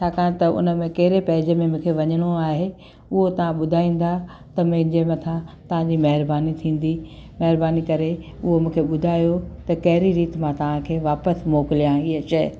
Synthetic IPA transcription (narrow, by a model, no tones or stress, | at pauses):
t͡ɕʰaːkãːt̪ɐʔʊ̰nə̆mẽkɐɦɪɾepɐɦɪd͡ʑəmẽmũːkʰeʋɐɲəɽ̃oaːɦe | ʊɦot̪ɐʋ̤ãɓʊd̪ʱaːĩːn̆d̪a | t̪ɐmɐ̃ɦɪ̃d͡ʑemɐt̪ʰãt̪ɐʋ̤ãd͡ʑiːmɐɦɪɾbaːnit̪ʰĩːn̆d̪imɐɦɪɾbaːnikɐɾeʊɦomũːkʰeɓʊd̪ʱaːjot̪ɐkɐɦɪɾiɾiːt̪mãt̪ɐʋ̤ãkʰeːʋaːpəsmoːkɪlijãːiɦəʃɐ